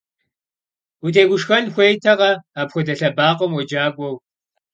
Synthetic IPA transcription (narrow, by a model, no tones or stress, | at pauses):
utʰeːɡʷʊʂxɐnxʷejtʰɐʁɐaːpxʷʊdɐɬɐbaːqʷɔmwɔd͡ʒaːɡʷʼɔw